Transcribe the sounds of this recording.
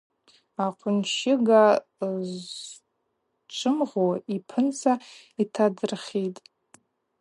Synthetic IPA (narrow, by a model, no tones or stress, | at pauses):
aqʷʰʊnʃɪɡaz | t͡ʃʷʰɨmʁoipʰɨnt͡sʰa | itʰadɨrχʲitʼ